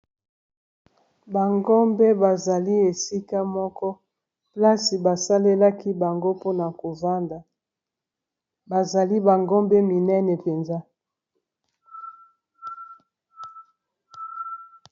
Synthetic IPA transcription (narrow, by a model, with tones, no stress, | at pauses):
ba˨ŋɡɔ˦mbe˦ba˨za˨li˦e˨si˦ka˦mɔ˦kɔ˦ | pla˦si˨ba˨sa˦le˦la˦ki˦ba˨ŋɡo˦po˦na˨ko˨va˦nda˨ | ba˨za˨li˦ba˨ŋɡɔ˦mbɛ˦mi˨nɛ˦nɛ˨pe˨nza˦